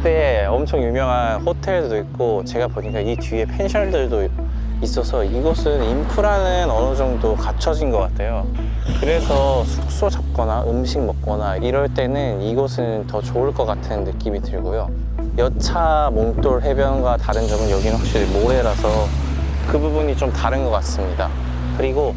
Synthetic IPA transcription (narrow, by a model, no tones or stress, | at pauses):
t͈eeʌmt͡ɕʰʌŋjumjʌŋɦanhotʰe̞ɭdodoik̚k͈ot͡ɕe̞ɡapoɲik͈ait͡ɕie̞pʰe̞nɕʰʌɭdɯɭdo | is͈ʌsʰʌiɡʌsʰɯnimpʰuɾanɯnʌnʌd͡ʑʌŋdokat͡ɕʰʌd͡ʑinɡʌk͈atʰe̞jo | kɯɾe̞sʰʌsʰu̥k̚s͈od͡ʑap̚k͈ʌnaʔɯmɕʰiŋmʌk̚k͈ʌnaiɾʌɭt͈e̞nɯniɡʌsʰɯntʌt͡ɕoɯɭk͈ʌk͈atʰɯnːɯk͈imitɯɭɡojo | jʌt͡ɕʰamoŋt͈oɭɦe̞bjʌnɡwataɾɯnd͡ʑʌɡɯnjʌɡinɯnɸwak̚ɕ͈iɾmoɾe̞ɾasʰʌ | kɯbubuɲit͡ɕomtaɾɯnɡʌk͈as͈ɯmɲida̰ | kɯɾiɡo